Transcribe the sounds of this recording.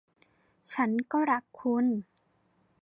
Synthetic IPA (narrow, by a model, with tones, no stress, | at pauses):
t͡ɕʰa˦˥nkɔː˥˩ɾa˦˥kʰːu˧˥˨n